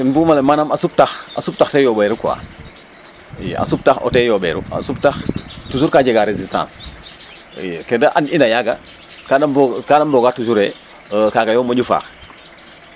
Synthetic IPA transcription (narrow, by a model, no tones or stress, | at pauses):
ɛnbumalemanamasub̚taxa̰sup̚taxtɛjɔbɛːɾukuwa̰ | a̰sup̚taxɔ̰tɛːjɔbɛ̰ːɾṵa̰sub̚taxtus̬uɾkaɟeɡaɾezistã̰ːns | kedaʔaninajaɡa̰ | kadabkadamboɡatus̬uɾe | kaːkajɔːmoɟufa̰ːx